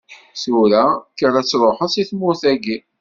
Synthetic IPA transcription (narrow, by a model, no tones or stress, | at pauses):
suɾækəɾæt͡sːɾˤoħəðsiθmʊθæɡi